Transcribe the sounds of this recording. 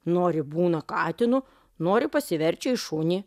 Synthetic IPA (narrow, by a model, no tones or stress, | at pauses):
noːɾʲɪbuːnɐkɑːt̪ʲɪnʊ | noːɾʲɪpɐsʲɪʋʲɛɾʲt͡ʃʲɪɪʃʊːnʲiː